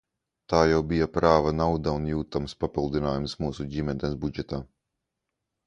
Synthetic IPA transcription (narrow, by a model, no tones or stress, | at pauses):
t̪aːjawbijapɾaːvanawud̪aunjuːt̪amspapilˠd̪inaːjumsmuːsuɟimʲɛd̪ɛsbud͡ʒɛt̪aː